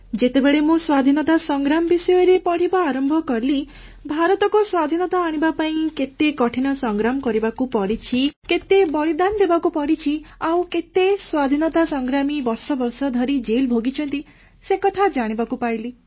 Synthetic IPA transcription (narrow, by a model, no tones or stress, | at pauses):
d͡ʒet̪ebeɭemũswad̪ʱinɔt̪asɔŋɡɾamɔbisɔjɔɾepɔɽ̤ibaːɾɔmbʱɔkɔɾli | bʱaɾɔt̪ɔkɔswad̪ʱinɔt̪aːɽ̃ibapaĩket̪ekɔʈʰiɽ̃ɔsɔŋɡɾamɔkɔɾibakupɔɽit͡ʃʰiket̪ebɔɭid̪and̪ʱebakupɔɽit͡ʃʰiaw̃ket̪eswad̪ʱinɔt̪asɔŋɡɾamibɔɾsɔbɔɾsɔd̪ʱɔɾid͡ʒelbʱoɡit͡ʃʰɔnt̪i | sekɔt̪ʰad͡ʒaɽ̃ibakupajli